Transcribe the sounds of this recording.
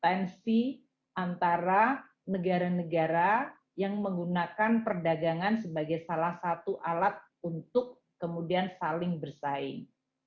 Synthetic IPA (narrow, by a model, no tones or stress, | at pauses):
t̪ɛnsi | ant̪aɾa | nəɡaɾanəɡaɾa | jaŋməŋɡunakanpərdaɡaŋansəbaɡajsalahsat̪uʔalat̪̚ | unt̪ʊkː | əmudiansalɪŋbərsaɪŋ